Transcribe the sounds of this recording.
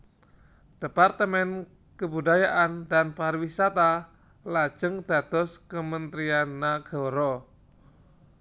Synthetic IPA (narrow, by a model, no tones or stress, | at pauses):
d̥epart̪əmɛn | kəbudajaʔandanparwisat̪a | lḁd͡ʒ̥əŋd̥a̤t̪ɔskəmənt̪ɾianːaɡ̥ɔɾɔ